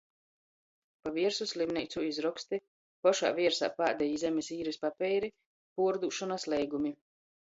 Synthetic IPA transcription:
paviɛɾsuslimnʲɛjt̪suizɾɔkst̪i | pɔʃa̰ːvʲiɛɾsa̰ːpaːd̪ɛjiːzɛmʲɛsiːɾɛspapʲɛjɾi | puɔɾd̪uːʃɔnaslˠɛjɡumi

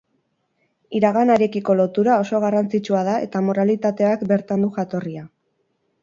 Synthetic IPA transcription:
iɾaɣ̞anaɾe̞kiko̞lo̞t̪uɾao̞so̞ɣ̞arant͡sit͡ʃuað̞ae̞̰t̪amo̞ɾalit̪at̪e̞akbe̞ɾt̪and̪uxat̪o̞ria

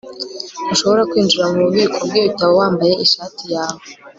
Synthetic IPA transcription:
aʃo̞βo̞ɾakwiːnd͡ʒiɾamuɾuβiːkʰobɡoβutaβowaːmbaje̞ʔiʃaːtijaːwo

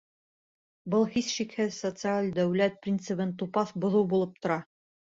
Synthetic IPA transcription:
bɤlˠhisʃikhɘsot̪sɨalʲd̪æwlæt̪̚prʲint̪sɨβɤnt̪upɑθbŏðɤwbulˠɤp̚t̪ŏɾɑ

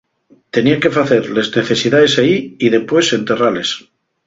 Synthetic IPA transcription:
t̪e̞niake̞faθe̞ɾlezne̞θe̞siðaðe̞saiiðe̞pwe̞se̞nt̪e̞rale̞s

